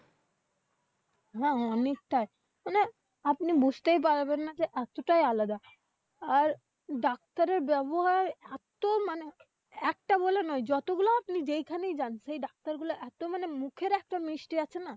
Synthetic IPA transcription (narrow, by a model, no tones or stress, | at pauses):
ɦɛ̃ɔnek̚t̪ae | mane | apnibud͡ʑʱt̪ejp̬aɾbenːad͡ʑeʔɛt̪oʈajalad̪a | aɾ | ɖak̚t̪aɾeɾbɛboɦaɾɛt̪omane | ɛk̚ʈabɔlenɔjd͡ʑɔt̪oɡuloapnid͡ʑejkʰanejd͡ʑanʃejɖak̚t̪aɾɡuloʔɛt̪omanemukʰeɾɛk̚ʈamɾiʃʈiat͡ɕʰenːa